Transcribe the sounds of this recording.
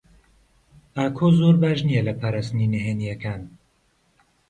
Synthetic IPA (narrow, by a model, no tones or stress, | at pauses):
aːkʰoːzoːɾbaːʒnijɛlɐpʰaːɾaːst̪ninɛɦeːnijɛkʰaːn